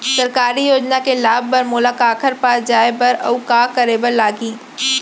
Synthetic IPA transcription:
sɐɾkaːɾijoːd͡ʒnakelaːb̚bəɾmʊlakaːkʰəɾpaːsd͡ʒaːebɐɾɐʊkaːkəɾeːbəɾlaːɡiː

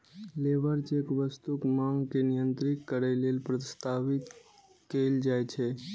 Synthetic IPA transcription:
leʋəɾt͡ʃekʋəst̪ukmaŋkenijənt̪ɾik̪kəɾɛlelpɾəst̪aʋit̪ | keld͡ʒajt͡ʃʰɛ

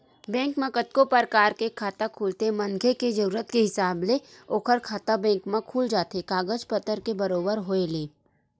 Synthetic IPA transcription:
bɛ̃ːŋkmẽkət̪̚kopəɾkaːɾkekʰaːt̪akʰuːlt̪emɐ̃nɡʱeked͡ʒɐɾuːɾət̪keɦɪsaːbleoːkʰəɾkʰaːt̪abɛ̃ːŋkmãkʰuːld͡ʒaːt̪ekaːɡəd͡ʒpət̪əɾkebɐɾoːbəɾɦoːeleː

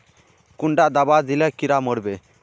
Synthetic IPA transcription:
kuɳɖaʔd̪abad̪ilakiɾaməɽbɛ

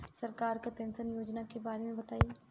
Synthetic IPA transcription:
sɐɾkaːɾkepẽːnsənjoːd͡ʒnakebaːɾemẽbɐt̪aːiː

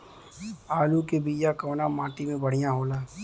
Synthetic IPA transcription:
aːlukebiːjakɔːnamaːʈimẽbɐɽ̤ijãɦoːlaː

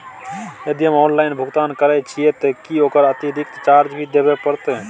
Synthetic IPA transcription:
əd̪iɦəmɔːnlainbʱʊɡt̪ankəɾɛt͡ʃʰijet̪ekioːkəɾət̪iɾik̚t̪t͡ʃaɾd͡ʒbʱid̪ebepəɾt̪ɛ

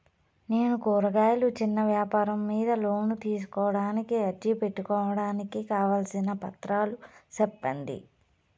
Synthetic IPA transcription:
ne̞ːnukuːɾɐɡaːjɐlut͡ʃinːɐʋjaːpaːɾɐmːiːd̪ɐlo̞ːnut̪iːs̬u̥kɔːʋɐɽaːnikiɐd͡ʒipe̞ʈːukɔːʋɐɽaːnikikaːʋaːlsinɐpɐt̪ɾaːlusɛpːɐnd̪ḭ

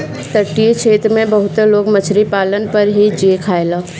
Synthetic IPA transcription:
t̪əʈːiet͡ʃʰeːt̪ɾmẽbɐɦʊt̪loːɡmət͡ʃʰɾipaːlənpɐɾɦid͡ʒiekʰaːelaː

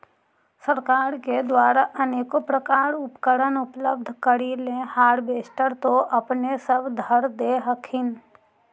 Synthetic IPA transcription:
səɾkaːɾked̪waːɾaʔəneːkopɾəkaːɾʊpkəɾənʊpləb̚d̪ʱkəɾilẽhaːɾbeːsʈəɾt̪oʔɐpnesəbd̪ʱəɾd̪eɦəkʰɪn

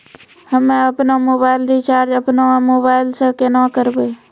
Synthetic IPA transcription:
həmeəpnamoːbaːɪlɾit͡ʃaːɾd͡ʒəpnamoːbaɪlsə̃kenãkəɾbe

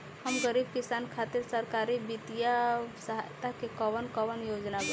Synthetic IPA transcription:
həmɡəɾib̚kisankʰat̪iɾsəɾkaɾibit̪ijasəɦajt̪akekəbənkəʋənjod͡ʒnabe

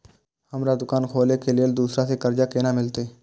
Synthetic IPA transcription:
həmɾaːd̪ʊkaːnkʰoːlekeːlɪəld̪uːsɾaːsekəɾd͡ʒaːkeːnaːmɪlt̪eː

